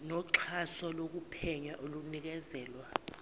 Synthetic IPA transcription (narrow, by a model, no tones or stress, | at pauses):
nɔǁʰasɔlok̬upʰɛɲaʔolunik̬ɛzɛːlwa